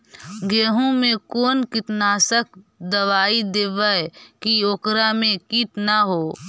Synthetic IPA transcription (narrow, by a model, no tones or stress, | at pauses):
ɡeːɦõmẽkoːnkɪt̪naːsək̚ʰ | d̪əʋaːid̪eːʋaekioːkɾamẽkit̪naɦoː